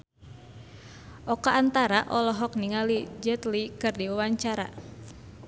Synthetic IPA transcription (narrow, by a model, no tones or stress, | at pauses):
ʔɔkaʔːnt̪aɾaʔɔlɔɦɔk̚niŋalid͡ʒɛt̪likɨrdiwawaɲt͡ʃaɾa̰